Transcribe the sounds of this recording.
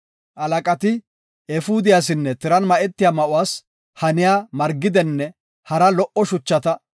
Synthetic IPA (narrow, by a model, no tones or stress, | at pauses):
ʔɐlɐkʼɐt̪ɪ | ɛfuːd̪ɪjaːs̬ɪnːɛt̪ɪɾɐnmɐʔɛt̪ːɪjaːmɐʔʊwaːs | hɐnɪjaːmɐɾɡɪd̪ɛnːɛ | hɐɾɐlɔʔɔʃʊt͡ʃːɐt̪ɐ